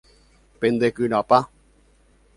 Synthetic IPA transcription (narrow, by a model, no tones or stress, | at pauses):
pẽnd̪ekɨɾ̃apa